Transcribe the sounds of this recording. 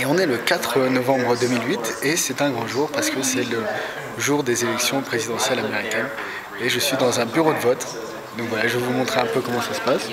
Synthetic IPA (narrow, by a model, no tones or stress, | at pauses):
eɔ̃nɛləkat̪χənɔvɑ̃bʁəd̪əmilɥit̪esɛt̪ɛ̃ɡʁɔʒuʁpaʁsə̥kəsɛlə | ʒuʁd̪ezelɛksjɔ̃pχezid̪ɑ̃sjɛlameʁikʲɛn | eʒəsɥid̪ɑ̃zɛ̃byʁod̪əvɔt̪ | d̪ɔ̃kvwalaʒəvumɔ̃t̪χeɛ̃pøkɔmɑ̃sasə̥pas